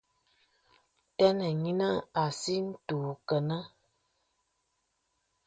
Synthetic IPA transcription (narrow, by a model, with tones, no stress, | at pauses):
tɛ˦nə˨ɲi˦na˦a˨si˦n̩˦tu˨kə˨nə˦